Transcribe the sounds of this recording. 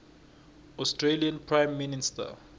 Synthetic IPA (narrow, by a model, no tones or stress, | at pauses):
ɔstʰɹeliãnpʰɹajmːinistʰa̰